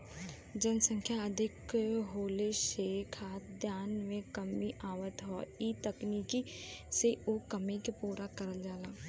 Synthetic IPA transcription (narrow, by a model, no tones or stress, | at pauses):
d͡ʒənsə̃ŋkʰjaəd̪ʱɪkɦoːleʃeːkʰaːd̪ʱjaːnmẽkɐmiʔaːʋət̪ɦɔiːt̪ɐkniːkiseoːkɐmikepuːɾakəɾəld͡ʒaːlaː